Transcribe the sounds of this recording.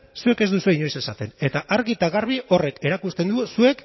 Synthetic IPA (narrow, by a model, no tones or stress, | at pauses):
sue̞ke̞zd̪usueiɲo̞jse̞sat̪e̞ne̞t̪aʔaɾɣit̪aɣaɾβ̞iʔo̞re̞ke̞ɾakust̪e̞nd̪usue̞k